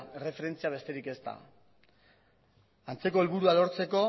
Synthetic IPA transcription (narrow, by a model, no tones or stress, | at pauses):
e̞re̞fe̞ɾe̞nt͡siaβ̞e̞st̪e̞ɾike̞st̪a̰ | ant͡se̞ko̞elβuɾuaðo̞ɾt͡se̞ko̞